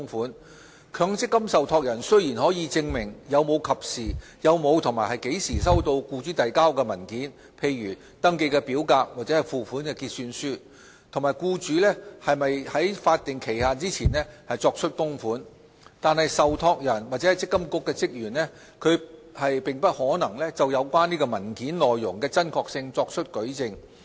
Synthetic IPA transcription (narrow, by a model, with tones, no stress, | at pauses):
ŋfuː˨˥n | kʰœː˨˧˥ŋt͡sɪ˥kːɐ˥msɐ˨wt̪ʰɔː˧k̚jɐ˨˩nsɵ˥ɥjiː˨˩nhɔː˨˥jiː˨˧t͡sɪ˧ŋmɪ˨˩ŋjɐ˨˧wmo˨˧wkʰɐ˨p̚siː˨˩ | jɐ˨˧wmo˨˧wt̪ʰʊ˨˩maː˨˩hɐ˨jke˨˥jsiː˨˩sɐ˥wt̪o˧wkuː˧t͡syː˨˥t̪ɐ˨jkaː˥wkɛː˧mɐ˨˩nkiː˨˥n | pʰe˧jɥyː˨˩ | t̪ɐ˥ŋke˧jkɛ˧piː˨˥wkaː˧k̚waː˨t̚t͡sɛ˨˥ɐ˨jfuː˨fuː˨˥nkɛː˧kiː˧t̚syː˧nsyː˥ | t̪ʰʊ˨˩ŋmaː˨˩jkuː˧t͡ʃyː˨˥lɛː˥hɐ˨jmɐ˨jhɐ˨˥jfaː˧t̚t̪ɪ˨˩ŋkʰe˨˩jhaː˨nt͡siː˥t͡sʰiː˨˩nlɛː˥hɐ˨jt͡sɔː˧k̚t͡ʃʰɵ˥t̚kʊ˥ŋfuː˨˥n | t̪aː˨nhɐ˨jsɐ˨wt̪ʰɔː˧k̚jɐ˨˩nwaː˨t̚t͡sɛ˨˥hɐ˨jt͡sɪ˥kːɐ˥mkʊ˥kːɛː˧t͡sɪ˥k̚jyː˨˩nɛː˥ | kʰɵ˨˧ɥhɐ˨jpɪ˨ŋpɐ˥t̚hɔː˨˥nɐ˨˩ŋlɛ˥t͡sɐ˨wjɐ˨˧wkʷaː˥niː˥kɔː˧mɐ˨˩nkiː˨˥nlɔː˨jːʊ˨˩ŋkɛː˧t͡sɐ˥nkʰɔː˧k̚sɪ˧ŋt͡sɔː˧k̚t͡ʃʰɵ˥t̚kɵ˨˥ɥt͡sɪ˧ŋ